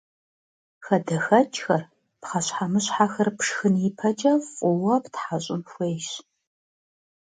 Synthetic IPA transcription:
xɐdɐxɐt͡ʃʼxɐr | pχɐɕħamɨɕħaxɐrpʂxɨnipʰɐt͡ʃʼɐwqʼʊwɐptħaɕʼɪmxʷejʃ

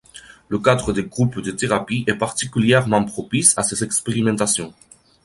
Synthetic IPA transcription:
ləkad̪ʁəd̪eɡʁupd̪ət̪eʁapiɛpaʁt̪ikʲyljɛʁmɑ̃pχɔpisasezɛkspeʁimɑ̃t̪asjɔ̃

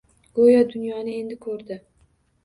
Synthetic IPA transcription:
ɡ̥ojad̪ʊnjɒnɪe̞nd̪ɪkʰɵɾd̪ɪ

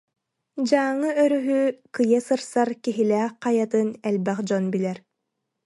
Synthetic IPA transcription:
d͡ʑaːŋːɯœɾyɦykɯjasɯɾsaɾkiɦilæːχ̚qɑjat̪ɯnɛlʲbɛχd͡ʑɔnbilɛɾ

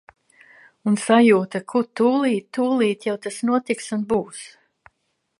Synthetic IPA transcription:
unsajuːt̪akʰuɾt̪uːlˠiːt̪ːuːlˠiːt̪jawt̪asnuɔt̪iksunbuːs

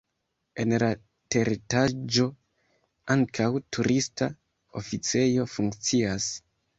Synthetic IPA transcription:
e̞nla | te̞ɾitad͡ʒo̞ | aŋkʰawtʰuɾʔista | o̞̰fit͡se̞jo̞fuŋkt͡sias

